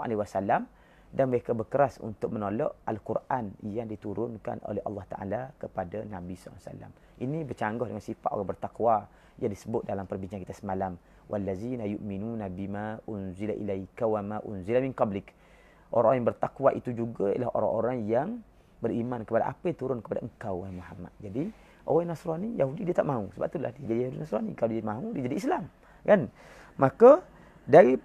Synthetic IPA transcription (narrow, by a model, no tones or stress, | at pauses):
ʔa̰lewasalam | danməɾekabərkəɾasṵnt̪ʊk̚mənolɔʔalkurʔanjaŋdit̪uɾʊnka̰nʔo̰lɛhʔɑ̰lːɑht̪aʔa̰lakəpadanãbislːsa̰la̰m | ʔinibət͡ʃaŋɡɔhdəŋansifaʔo̰ɾaŋbərt̪akwa | jaŋdisəbʊt̪̚dalampərbiɲt͡ʃaŋkit̪asəmalam | wʔa̰lːazinajuʔminunabimaʔʊnzilaʔḭlakawamaʔʊ̰nzilaminkablɪk | ʔo̰ɾaŋʔoãjaŋbərt̪akwaʔit̪ud͡ʒuɡaja̰lahʔo̰ɾa̰ŋʔoɾaŋjaŋ | bərimankəpada̰ʔa̰pət̪uɾʊnkəpadaəŋ̩kawamuɦamːa̰t̪̚d͡ʒadi | ʔo̰ɣanasɾɔnijaɦudidiat̪aʔmausəba̰p̚t̪ula̰hdiad͡ʒadijahudinasɾɔnikalodimaudid͡ʒadiʔislam | kanmaka | daɾi